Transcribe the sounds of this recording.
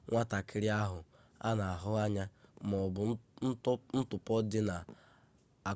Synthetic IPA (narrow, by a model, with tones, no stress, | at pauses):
ŋʷa˦ta˨kʰɪ˦ɾɪ˦a˦ɦʊ˨ | a̰˦na˨a˨ɦʊ˦a˦ɲa˦mɔ˨bʊ˨˦ | n̩˦tʊ˨pɔ˦dɪ˦na˨ | a˨